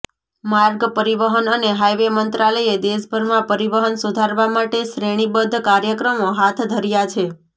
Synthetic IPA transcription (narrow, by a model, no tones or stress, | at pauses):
maɾɡpəɾiʋəɦənəneɦajʋemənt̪ɾaləjed̪eʃbʱəɾmãpəɾiʋəɦənsud̪ʱaɾʋamaʈeʃɾeɽ̃ibəd̪ʱːkaɾjəkɾəmoɦat̪ʰd̪ʱəɾjat͡ʃʰe